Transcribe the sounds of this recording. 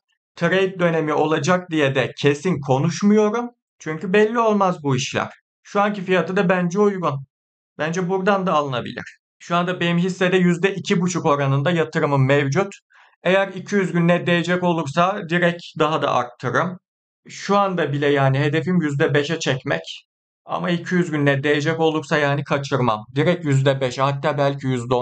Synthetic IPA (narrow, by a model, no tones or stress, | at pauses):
t̪ʰaɾajit̪̚d̪ø̞ne̞mio̞lˠad͡ʒak̚d̪ijed̪ɛcʰe̞sinkʰo̞nuʃmujo̞ɾum | t͡ʃʰyɲcybɛlʲːio̞lˠmazbuiʃlʲæ̰ɾ̥ | ʃuancifijat̪ɯd̪abænd͡ʒɛujɡun | b̥ænd͡ʒɛbuɾd̪and̪aːlˠɯnabḭlʲḭɾ̥ | ʃuand̪abejimɦisːɛd̪ɛjyzd̪ɛʔicʰibut͡ʃʰuko̞ɾanɯnd̪ajat̪ʰɯɾɯmɯmːɛvd͡ʒut̪ | e̞jæɾicʰyjyzɟynːɛd̪e̞jed͡ʒɛco̞lˠuɾsad̪iɾɛcd̪aɦad̪a̰ʔa̰ɾt̪ʰːɯɾɯm | ʃuand̪abilʲɛjaːniɦe̞d̪e̞fimjyzd̪ɛbeʃɛt͡ʃʰɛcmɛ̰c | a̰maicʰijyzɡʲynːɛd̪e̞jed͡ʒɛco̞lˠuɾsajaːnikʰat͡ʃʰɯɾma̰md̪iɾɛcjyzd̪ɛbeʃɛhat̪ʰːaːbælʲcʰijyzd̪ɛ